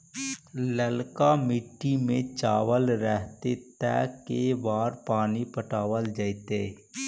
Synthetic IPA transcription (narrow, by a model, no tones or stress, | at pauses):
ləlkamɪʈːimẽt͡ʃaːʋəlɾɛɦt̪et̪ɛ̰ːkebaːɾpaːnipəʈaːwəld͡ʒait̪eː